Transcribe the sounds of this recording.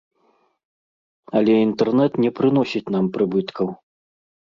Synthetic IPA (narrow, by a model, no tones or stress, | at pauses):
ɐlʲɛint̪ɛrnɛt̪nʲɛpɾɨn̪ɔsʲit͡sʲnampɾɨbɨt̪kʰɐw